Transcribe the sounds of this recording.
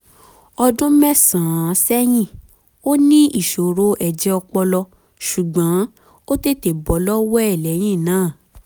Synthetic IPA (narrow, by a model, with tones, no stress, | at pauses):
ɔ˧dũ˦mɛ˦sã˨˦sɛ˦j̃ĩ˦˨ | o˦nĩ˦i˦˨ʃo˨ɾo˨˦ʔɛ˨d͡ʒɛ˨˧ɔ˧k͡pɔ˧lɔ˧ | ʃu˨ɡ͡bã˨˦ | o˦te˦˨te˨bɔ˨˦lɔ˦wɔ˦ɛ˦˨lɛ˨˦j̃ĩ˦˨nãː˨˦˨